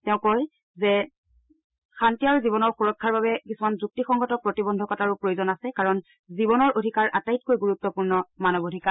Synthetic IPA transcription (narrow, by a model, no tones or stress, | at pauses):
tɛʊ̃kɔj | zɛ | xantijaɹzibɔnɔɹxuɹɔkʰːaɹbabɛkisumanzuk̚tixɔŋɡʱɔtɔpɹotibɔndʱɔkɔtaɹupɹojozɔnasɛkaɹɔn | zibɔnɔɹʔodʱikaɹʔatajitkojɡuɹutːɔpuɹnɔmanɔbodʱika